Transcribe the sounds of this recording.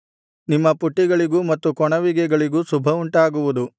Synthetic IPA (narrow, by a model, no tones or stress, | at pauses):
nimːɐpuʈːiɡɐɭiɡumɐt̪ːukɔɳɐʋiɡɛɡɐɭiɡusubʱɐuɳʈaːɡuʋud̪u